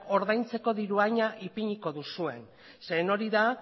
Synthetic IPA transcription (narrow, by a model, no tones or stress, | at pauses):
o̞ɾðajnt͡se̞ko̞ðiɾuaɲaʔipiɲiko̞ðusue̞n | se̞no̞ɾiða